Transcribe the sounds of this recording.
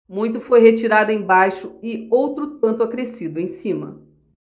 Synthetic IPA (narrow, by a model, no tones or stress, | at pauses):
mũj̃t̪ʊfojɦet͡ʃiɾad̪ʊẽj̃bajʃʊɪowt̪ɾʊt̪̚ɐ̃nt̪ʊakɾesid̪ʊẽj̃sĩmɐ̰